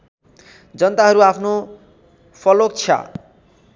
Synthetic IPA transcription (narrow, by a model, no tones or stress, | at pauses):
d͡zʌnt̪aɦʌɾuapʰno | pʰʌlok̚t͡sʰʌ̰